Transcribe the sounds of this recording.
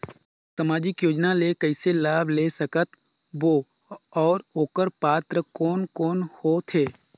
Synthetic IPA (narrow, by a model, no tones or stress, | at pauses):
sɐmaːd͡ʒɪkjoːd͡ʒnalekəɪselaːbʱlesəkət̪ | ʋoː | ɔːɾoːkəɾpaːt̪ɾəkɔːnkɔːnhot̪ʰeː